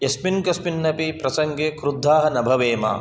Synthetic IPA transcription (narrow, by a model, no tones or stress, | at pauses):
jesminkɐspinːɐpipɾɐsɐŋɡeːkɾud̪ʱːaːɦɐnɐbʱɐʋeːma̰ː